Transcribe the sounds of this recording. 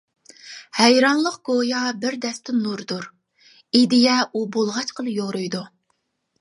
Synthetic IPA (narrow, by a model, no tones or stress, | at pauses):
hɛjɾɑnlˠəqɡ̥ojɑbɪɾd̪ɛst̪ɪnuɾd̪uɾ | id̪ɪjɛʔubolˠʁɑt͡ʃqʰəlˠɨjoɾujd̪u